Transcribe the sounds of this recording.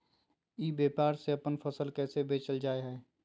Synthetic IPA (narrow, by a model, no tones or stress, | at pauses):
iːbjeːpaːɾseɐpənpʰəsəlkɛːsebeːt͡ʃəld͡ʒaːeɦɛː